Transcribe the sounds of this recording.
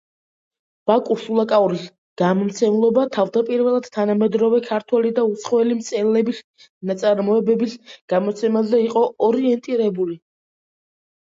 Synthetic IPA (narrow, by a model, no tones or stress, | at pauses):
b̥akʼusulˠakʼauɾis | ɡ̥amɔmt̪sʰɛmlˠɔbat̪ʰavd̪apʼiɾvɛlˠad̪̥t̪ʰːanamɛd̪ɾɔvɛkʰaɾt̪ʰwɛlid̪aut̪sʰχɔɛlimt̪sʼɛlɛbis | nat̪sʼaɾmɔɛbɛbisɡ̥amɔt̪sʰɛmazɛiqʼɔʔɔɾiɛnt̪ʼiɾɛbuli